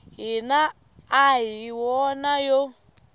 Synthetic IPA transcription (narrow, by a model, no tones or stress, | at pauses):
ɦinaː | ɦiwɔnajɔ